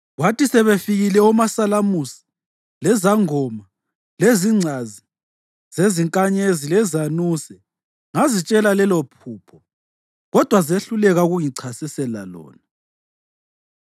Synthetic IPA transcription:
ɣwatisɛβefiɣilɛɔmasalamusi̥ | lɛzaŋɔma | leziŋ͡ǀʱazi | z̥eziŋkʼaɲezilɛzanusɛ | ŋazit͡ʃʼɛlalɛlɔpʰuːpʰɔ | ɣɔd̥ʱwazeɬulɛɣauɣuŋiǀʰasɛsɛla̰lɔ̰ːna

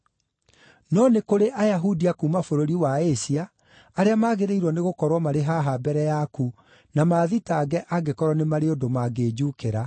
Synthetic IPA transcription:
nɔnekoɾeʔajaɦudiakuːmafoɾoɾiwaesiaː | ɾeamaːɣeɾeiɾwɔneɣokɔɾwɔmaɾeɦaɦabɛɾɛjaku | namaːðitaːɡɛʔaɡekɔɾwɔnemaɾeondomaɡeːd͡ʑukeɾa

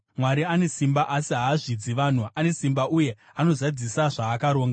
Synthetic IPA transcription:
mwaɾiane̞simbaʔasiɦaːʐid͡ziʋaːn̤uʔane̞simbaʔuje̞ | ano̞zad͡zisaʐaːkaɾo̞ːŋɡa

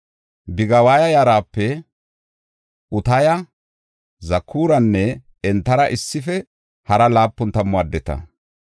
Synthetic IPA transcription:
bɪɡɐwaːjɐjaːɾaːpːɛ | ʔʊt̪ɐjɐ | zɐkʰːuːɾɐnːɛ | ɛnt̪ːɐɾɐʔɪsːɪfɛ | hɐɾɐlaːpːɔnt̪ːɐmːʊad̪ːɛt̪ɐ̰

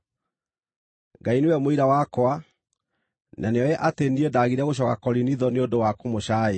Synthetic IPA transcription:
ɡainewɛmoiɾawakwa | nʔaneɔjɛʔatendiedaɣiɾɛɣoɕ̬ɔkakɔɾiniðɔneondowakomoɕaːe

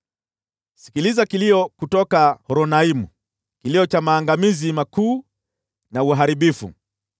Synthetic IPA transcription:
si̥kilizakiliɔkutɔkahɔɾɔnaimṵ | kiliɔt͡ʃamaːŋɡamizimakuː | nauɦaɾiɓifṵ

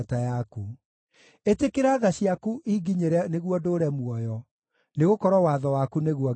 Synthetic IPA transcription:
tajaku | etekeɾaːðaɕiakuʔiɡiɲeɾɛneɣwɔdoɾɛmwɔjɔ | neɣokɔɾɔwaðɔwakuneɣuɔ

